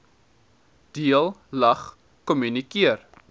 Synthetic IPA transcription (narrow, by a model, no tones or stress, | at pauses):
d̥iəlˠlɐχ | kɔmynikiər